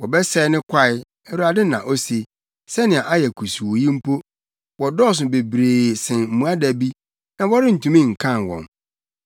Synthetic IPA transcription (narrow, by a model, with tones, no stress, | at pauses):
wɔ˨bɛ˦sɛː˦nɪ̃˦kʷʰa˦˨ɪ˦ | ɛ˦ɾu˦a˨dɪ̃˦nːã˨ʔɔ˦se˨ | sɛ˦nɪ̃˨a˨ʔa˦jɛ˨kʰu˨su˨wo˨jĩ˦m̩˦pʰo˦ | wɔ˨dɔ˦˨s̬ʊ˨be˨bɾeː˨sɪ̃˨nm̩˨mũ˨a˦dæ˨bi˦ | nã˦wɔ˦ɾɪ˦n̩˨tʰũ˨mĩ˦ŋ̩˨kʰã˦˨nwɔ̰̃˨n